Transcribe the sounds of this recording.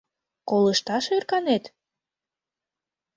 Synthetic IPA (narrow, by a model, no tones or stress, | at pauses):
koləʃt̪ɑʃerkɑnet̪